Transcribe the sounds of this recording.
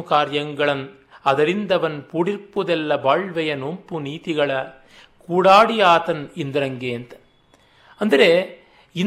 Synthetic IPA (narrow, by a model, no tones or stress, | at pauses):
kaːɾjɐŋɡɐɭɐn | ɐðɐɾɪnd̪ɐʋɐnpʊɽɪrpɯðɛlːɐbaːɭʋɐjɐnompɯniːðɪɣɐɭɐ | kuːɽaːɽɪjaːt̪ɐnɪnd̪ɪɾɐŋɡeːnd̪ɐ | ɐnd̪ɪɾeː | ɪn